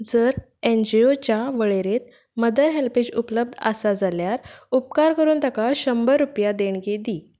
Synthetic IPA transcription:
d͡zəɾ | end͡ʑiot͡ɕjaʋəɭeɾet̪̚ | məd̪əɾɦelped͡ʑupləb̚d̪ʱəsad͡zaljaɾupkaɾkəɾuːnt̪akaɕəmbəɾːupjad̪eɳɡed̪iː

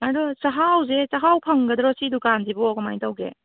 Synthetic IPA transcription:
adɔsɐɦawzesaɦawpʰɐŋɡɐdɾɔsidukanzibɔɔɡɔma̰jtawɡḛ

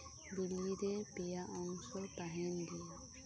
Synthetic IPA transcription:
bilːidɛpijaʔɔŋsɔpaɦɛndia

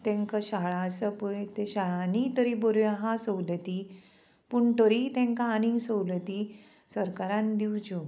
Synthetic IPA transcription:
t̪ẽŋkaɕaɭãsəpət̪eɕaɭanit̪əɾibɔɾojaɦãsəwlət̪i | puɳʈ̪əɾit̪ẽŋkaanĩsəwlət̪i | səɾkaɾãnd̪iwd͡ʑu

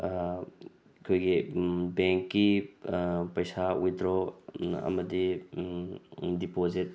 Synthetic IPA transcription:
kʰojɡibeŋkːi | pɐjsawidɾoɐ̰mɐdi | dipozit̚

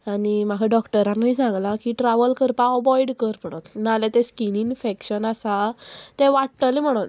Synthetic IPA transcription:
anim̤akʰaɖɔkʈəɾãnːiisãŋɡlakiʈɾaʋəlkəɾpãəbɔiɽkəɾpəɽɔt̪nalɛt̪ɛ̃skininfekɕənasat̪ɛ̃ʋaʈʈəlĩm̤əɽ̃ot̪

